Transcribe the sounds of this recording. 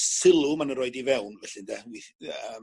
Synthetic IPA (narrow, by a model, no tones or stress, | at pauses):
sɪlˠʊmanənɾoɨdivɛwnvɛɬɨndɛwiə